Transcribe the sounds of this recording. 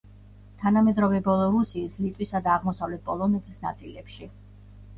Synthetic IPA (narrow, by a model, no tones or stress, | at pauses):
t̪ʰanamɛd̪ɾɔvɛbɔlˠɔɾusiːslit̪ʼwisad̪aːʁmɔsavlɛt̪̚pʼɔlˠɔnɛt̪ʰisna̰t̪sʼilɛpʃi